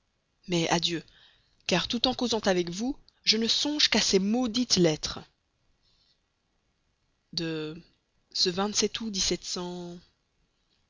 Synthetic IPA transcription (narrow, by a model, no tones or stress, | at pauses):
mɛʔa̰d̪jø | kaʁt̪ut̪ɑ̃kozɑ̃t̪avɛkvu | ʒənəsɔ̃ʒkasemod̪it̪lɛt̪χ | d̪ə | səvɛ̃t̪sɛt̪ʰud̪isɛt̪sɑ̃